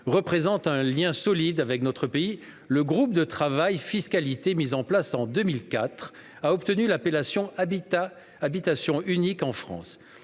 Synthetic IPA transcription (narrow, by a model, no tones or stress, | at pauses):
ʁəpχezɑ̃t̪ɛ̃ljɛ̃sɔlid̪avɛknɔt̪χəpei | ləɡʁup̚d̪ət̪χavajfiskalit̪emizɑ̃plasɑ̃d̪əmilkat̪χ | aɔpt̪ənylapelasjɔ̃ | abit̪asjɔ̃ynikɑ̃fχɑ̰̃s